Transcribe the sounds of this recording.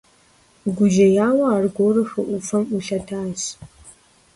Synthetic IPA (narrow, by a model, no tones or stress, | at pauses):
ɡʷʊʒɐjaːwɐaːrɡʷoːrɨxɨʔʷʊfɐmuɬɐtʰaːz